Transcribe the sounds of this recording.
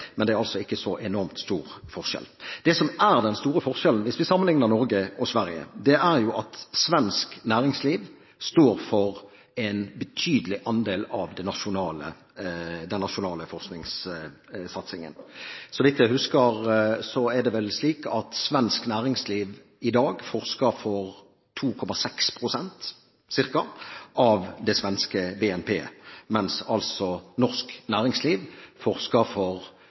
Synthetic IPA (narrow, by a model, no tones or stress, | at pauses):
mɛnd̪ɛæɾɑlsɔɪkːəsɔʔɛnɔɾmt̪st̪uːɾfɔʁʂɛ̰ld̪̥ɛsɔmæɾd̪ɛnst̪uːɾəfɔɾʃɛlənʋɪsʋɪsɑmːənlɪŋnəɾnɔɾɡəʔɔsʋæɾjə̰d̪ɛʔæʁjʊʔɑt̪sʋɛnsknæːɾɪŋsliːʋ | st̪oːɾfɔɾ | ɛɪnbət̪ʰyːd̪əlɪʔɑnd̪eːlɑʋd̪ɛnːɑʃʊnɑːlə̰ | d̪ɛnːɑʃʊnɑːləfɔʁsknɪŋs | sɑt̪sɪŋə̰nsɔʋɪt̪jæɪhʉskəʁsɔɛd̪ɛʋɛlsliːkɑt̪sʋɛnsknæːɾɪŋsliːʋ | ɪd̪ɑːɡfɔʁskəɾfɔʁ | t̪ʰuːkʰɔmɑsɛkspʰɾʊsɛnt̪ | sɪʁkɑʔɑʋd̪ɛsʋɛnskəbeːɛnpʰḛːmɛnsɑlsɔnɔʁsknæːɾɪŋsliːʋfɔɾskəɾfɔʁ